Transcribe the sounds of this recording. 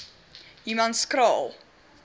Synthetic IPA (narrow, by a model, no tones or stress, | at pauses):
imɐnskɾɑːlˠ